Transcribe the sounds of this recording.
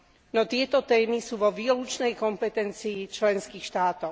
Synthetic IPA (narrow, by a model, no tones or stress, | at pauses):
nɔt̪ɪɛt̪ɔt̪ɛːmisuːʋɔʋiɔlut͡ʃnɛjkɔmpɛt̪ɛnt͡siːt͡ʃlɛnskiːxʃt̪aːt̪ɔʊ